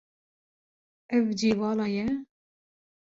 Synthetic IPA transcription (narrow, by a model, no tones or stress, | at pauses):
ɛvd͡ʒiːvɑːlɑːjɛ